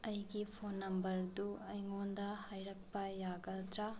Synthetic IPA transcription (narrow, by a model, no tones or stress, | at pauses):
ɐjɡipʰonːɐmbɐɾduɐjŋondɐhajɾɐk̚pɐjaɡɐld̪ɾɐ